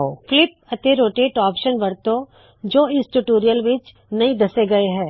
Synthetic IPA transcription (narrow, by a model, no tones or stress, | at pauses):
oflɪp̚ɐt̪eɾoːʈeːʈaːpʃənbɐɾt̪õ | d͡ʒoːɪsʈuʈoːɾijəlʋɪt͡ʃ | nɐĩd̪ɐseɡɐeɦɛ̃ː